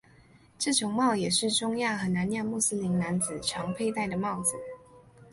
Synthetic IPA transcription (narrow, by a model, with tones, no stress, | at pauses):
ʈ͡ʂɤ˥˩t͡ɕʰo˧˥ŋmɑ˥˩ʊjɛ˨˩ʂɻ̩˥˩ʈ͡ʂʊ˥ŋja˥˩xɤ˧˥na˨˧˥nja˥˧mu˥˩s̩˥li˧˥nna˧˦nd͡z̩˨˩ʈ͡ʂʰɑ˧˥ŋpʰe˥˧ɪt̪a˥˩ɪd̪ə˩mɑ˥˩ʊd͡z̩˨˩